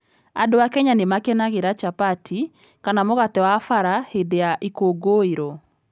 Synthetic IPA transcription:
a̰dowakɛɲanemakɛnaɣeɾat͡ʃapatʰi | kanamoɣatɛwafaɾahedeaʔikoːɡoːeɾɔ

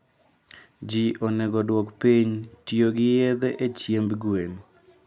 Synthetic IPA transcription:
d͡ʒiʔonɛɡɔdwokpiɲtjoɡɪjed̪eʔet͡ʃjembɡwen

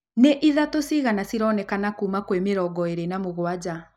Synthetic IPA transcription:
neʔiðatosiɣanasiɾɔːnɛkanakuːmakwemeɾɔɡɔeɾenamoɣwad͡ʑa

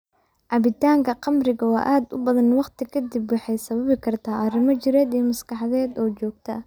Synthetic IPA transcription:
ʕɑβɪt̪ʰaːŋkʰɐqɑmrɪɣɐwɑ̰ːʔaːd̪ʊ̰bɐðɐnwɑqt̪ɪkʰɐd̪ɪbwɑħɑjsɐβɐβɪkʰɐrt̪ʰaːʔɐrɪmɐt͡ʃɪɾɛːd̪ijmɐskɑħɑðɛːd̪ɔːt͡ʃɔːɡ̚t̪ʰɐ

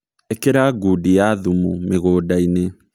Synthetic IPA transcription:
ekeɾaɡuːdijaðumumeɣoːdaine

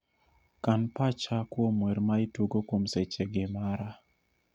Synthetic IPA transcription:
kanpat͡ʃakwomwɛɾmaɪtuɡokomset͡ʃeɡɪmaɾa

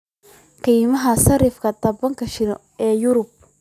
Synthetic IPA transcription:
kʰɐjmɐɦɐsɐɾɪfkʰɐd̪ʰɐbɐŋkʰɐʃɪɾ | ɛːjʊɾʊb̚

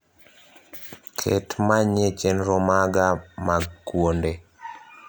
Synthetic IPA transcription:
kʰḛtmaɲet͡ʃenɾɔmaɡamaɡkwonde

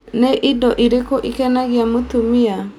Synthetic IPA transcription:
neʔidɔʔiɾekoʔikɛnaɣiamotumia

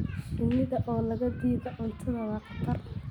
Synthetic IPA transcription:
dʊnɪðɐʔɔːlɐɣɐd̪iːðɔʔʊnt̪ʰɐnɐwɑːqʰɑ̥t̪ɐr

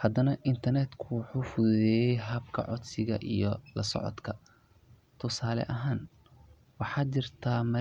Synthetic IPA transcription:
hɐd̪ɐnɐʔɪnt̪ʰɐrnɛd̪kʰʊwħuːfʊðɛːjɛjɦɐb̚kʰɐ̰ʕɔd̪sɪɣɐʔijɔlɐsɔ̰ʕɔ̰d̪kʰɐ | t̪ʰʊsaːlɛ̰ʔɐɦaːn | wɑħɑːt͡ʃɪrt̪ʰaːmɐ

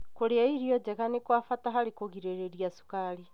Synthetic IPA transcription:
koɾeaiɾiɔd͡ʒaɣanekwafataɦaɾekoɣiɾeɾeɾiasu̥kaɾi

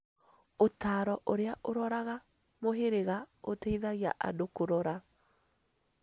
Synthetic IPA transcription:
otaːɾɔʔoɾeaʔoɾɔɾaɣa | moɦeɾeɣaoteiðaɣiaʔa̰dokoɾɔɾa

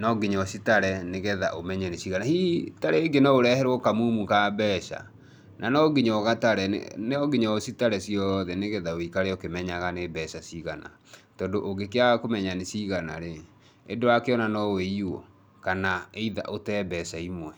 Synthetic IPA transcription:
nɔɡeɲɔsitaɾɛneɣɛða̰ʔomɛɲɛnesiɣanahitaɾeːɡenaoɾɛhɛɾwɔkamumukabɛʃa̰ | nʔanɔɡiɲɔɣataɾɛ̰neɔɡeɲɔsitaɾɛsiɔðɛneɣɛðawikaɾeokemɛɲaɣanebɛɕasiɣana̰ | tɔndoʔoɡekeaɣakomɛɲanesiɣana̰ɾeː | doakeɔnanɔweiwɔ̰ | kanaeiða̰ʔotɛːbɛsaimwɛ

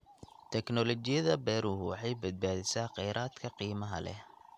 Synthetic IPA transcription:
t̪ʰɛknɔlɔt͡ʃɪjɐðɐbɛːɾʊɦʊwɑħɑjbɐd̪̚baːðɪsaːqɑjɾʔaːd̪kʰɐqiːmɐɦɐ̰lɛ̰

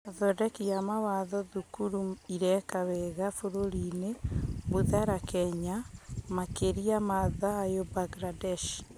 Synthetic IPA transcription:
aðɔdɛkiamawaðɔðukuɾuiɾɛkawɛɣafoɾoɾineβuðaɾakɛɲamakeɾiamaðaːjobaɡɾadɛʃ

